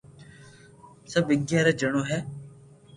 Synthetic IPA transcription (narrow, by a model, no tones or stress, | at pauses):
səbɪɡjaːɾeːd͡ʒəɳ̃oːɦɛː